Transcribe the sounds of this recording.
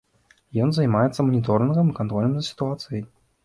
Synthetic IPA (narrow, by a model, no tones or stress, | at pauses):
jɔnzɐjmajɛt̪sːɐmɐnʲit̪ɔɾnɨɣɐmɨkant̪ɾɔlʲnmzɐsʲi̥t̪uat̪sɨjɐj